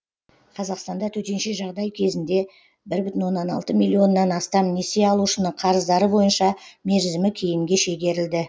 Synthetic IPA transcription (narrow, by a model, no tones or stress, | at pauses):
qʰɑzɑqst̪ɑnd̪ɑt̪ʰɵt̪e̞nʃe̞ʒɑʁd̪ɑjkʲʰe̞zɪnd̪e̞ | bɪɾbʏt̪ɪnwo̞nːɑnɑ̰lˠt̪əmʲilʲːio̞nːɑnɑst̪ɑmneseɑlˠuʃənəɴqʰɑɾəzd̪ɑɾəbo̞jənʃɑme̞ɾzɪmɪkʲʰe̞jɪmɡʲe̞ʃe̞ɡʲe̞ɾɪld̪ɪ